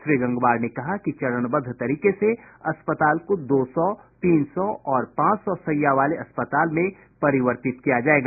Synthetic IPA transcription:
ʃɾiɡɐ̃ŋɡʋaːɾnekɐɦakit͡ʃɐɽənbəd̪ʱt̪ɐɾiːkeseɐspət̪aːlkod̪oːsɔt̪iːnsɔɔːɾpãːt͡ʃsɔsɐjaʋaːleɐspət̪aːlmẽ | pɐɾɪʋəɾt̪ɪt̪kijad͡ʒaːeːɡaː

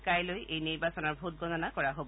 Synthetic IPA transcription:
kajlojʔejniɹbasɔnɔɹbʱut̚ɡɔnɔnakɔɹaɦob

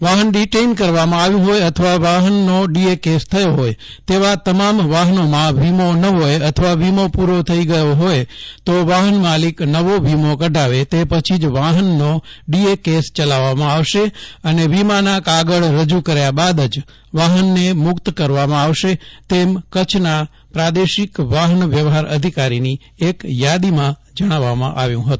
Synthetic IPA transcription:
ʋaɦənɖiʈeinkəɾʋamãaʋjũɦojət̪ʰəʋaʋaɦənːoɖiekest̪ʰəjoɦoj | t̪eʋat̪əmamʋaɦənomãʋimonəɦojət̪ʰəʋaʋimopuɾot̪ʰəiɡəjoɦojt̪oʋaɦənmaliknəʋoʋʱimokəɖʱaʋet̪epət͡ʃʰid͡ʒʋaɦənːoɖiekest͡ʃəlaʋːamãaʋʃeəneʋimanakaɡəɭɾəd͡ʒukəɾjabad̪əd͡ʒ | ʋaɦənːemʊkt̪kəɾʋamãaʋʃet̪emkət͡ʃʰna | pɾad̪eʃikʋaɦənʋjəʋɦaɾəd̪ʱikaɾini | ekjad̪imã | d͡ʒəɽ̃aʋːamã̰ʔaʋjũɦət̪ũ

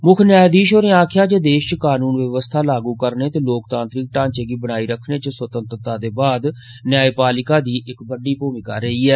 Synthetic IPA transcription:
mʊkʰnjaːjd̪iːʃoːɾeaːkʰjaːt͡ʃeːd̪eːʃt͡ʃəkaːnuːnʋəʋəst̪ʰaːlaːɡuːkəɾneːt̪eːloːkt̪ãːnt̪ɾɪk̚ʈãːɲt͡ʃeːɡiːbəɽ̃aːiːɾəkʰneːt͡ʃəsʋət̪ənt̪ɾt̪aːd̪eːbaːd̪ | njaːeːpaːlɪkaːd̪iːʔɪkbəɖiːpoːmɪka̰ːɾəɦiːɛː

